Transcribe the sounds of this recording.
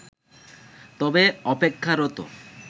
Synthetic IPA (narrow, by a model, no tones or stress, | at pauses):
t̪ɔbeɔpekʰːaɾot̪o̰